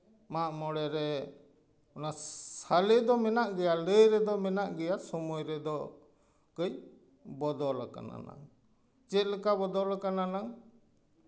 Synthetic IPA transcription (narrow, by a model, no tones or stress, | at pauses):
maʔmɔɽɛɾɛ | ɔnasalid̪ɔmɛnaʔɡɛjaləjɾɛd̪ɔmɛnaʔɡɛjasɔmɔjɾɛd̪ɔ | kəj | bɔd̪ɔlaka̰na̰na̰ŋ | t͡ʃɛt̪̚ləkabɔd̪ɔlakananaŋ